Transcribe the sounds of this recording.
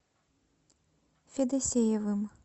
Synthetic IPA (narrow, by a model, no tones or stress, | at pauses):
fʲɛd̪ɐsʲejɐvɨm